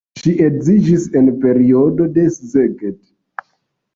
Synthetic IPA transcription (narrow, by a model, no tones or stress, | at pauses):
ʃiʔekzid͡ʒisenpe̞ɾiodo̞de̞szeɡet